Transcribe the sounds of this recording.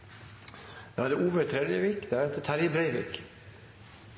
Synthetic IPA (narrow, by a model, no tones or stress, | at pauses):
d̪̥ehɑd̪əʔuːʋəɾt̪ʰɾɛd̪jəʋiːkd̪æɾɛt̪ət̪ʰæɾjəbɾæɪʋḭːk